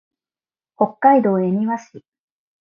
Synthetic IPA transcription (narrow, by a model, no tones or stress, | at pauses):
ho̞kːaid̪o̞ːeɲ̟iβaɕi